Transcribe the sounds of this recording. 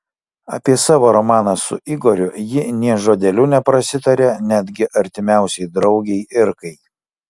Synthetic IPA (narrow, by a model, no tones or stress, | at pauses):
ɐ̰pʲiɛsɑːʋoːɾɔmɑːnɐsʊ̰ʔɪɡɔɾʲʊjɪnʲiɛʒoːd̪ʲɛlʲunʲɛpɾɐsʲɪt̪ɐɾʲenʲæd̪ʲɡʲɪʔɐɾʲt̪ʲɪmʲæˑʊsʲɛɪd̪ɾɒʊɡʲɛɪʔɪɾkɐɪ